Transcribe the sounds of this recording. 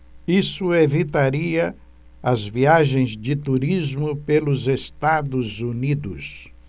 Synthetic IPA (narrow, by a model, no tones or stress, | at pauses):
isʊevit̪aɾiɐ | ɐzviaʒẽj̃zd͡ʒɪt̪uɾizmʊpelʊzest̪ad̪ʊzunid̪ʊ̰s